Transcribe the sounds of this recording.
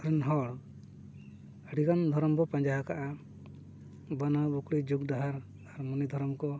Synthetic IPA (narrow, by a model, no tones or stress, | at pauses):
ɾɛnɦɔɽ | ɽiɡand̪ʱɔɾɔmbɔpãɲd͡ʒaɦakaʔa | banabukɽid͡ʒuɡ̚daɦaɾ | aɾmɔnid̪ʱɔɾɔmkɔ